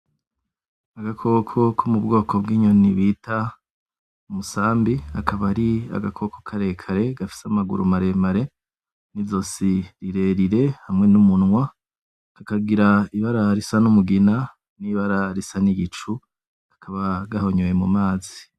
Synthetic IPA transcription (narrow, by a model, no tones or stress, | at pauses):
aɡakʰo̞kʰo̞kʰomub̚ɡo̞ːkʰo̞b̚ɡiːɲoniβitʰa | umusaːmbiakʰaβaɾia̰ɡakʰo̞kokʰaɾe̞kʰaɾe̞ɡafi̥samaɡṵɾṵmaɾe̞maɾe | nizo̞siɾiɾe̞ɾiɾe̞hamŋe̞numunŋwa | kakaɡiɾaiβaɾaɾisanumuɡina | niβaɾaɾisaniɡit͡ʃu̥ | ḁkʰaβaɡaho̞ɲujemumaːzi